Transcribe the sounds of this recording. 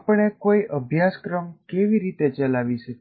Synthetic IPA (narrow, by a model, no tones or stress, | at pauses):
pəɳekoiʔəbʱjaskɾəmkeʋiɾit̪et͡ʃəlaʋiʃə